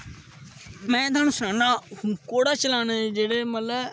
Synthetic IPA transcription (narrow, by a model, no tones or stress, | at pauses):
mɛ̃ːd̪ənʊsaːnãːhũːkoːɽaːt͡ʃəlaːneːd͡ʒeːɽeːmət̪lə